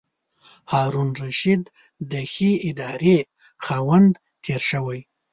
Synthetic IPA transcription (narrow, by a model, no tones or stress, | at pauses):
hɑːɾunɾaʃid̪ː | əxiɪd̪ɑɾe | xɑwand̪ | t̪ʰeɾʃəwaj